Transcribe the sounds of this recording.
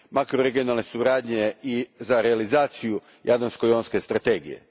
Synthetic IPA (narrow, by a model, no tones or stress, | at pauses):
makɾoɾeɡijo̞nalˠne̞suɾaːd̪ɲeizaɾealizaːt̪siju | jad̪ansko̞jonske̞st̪ɾat̪e̞ːɡḭje̞̰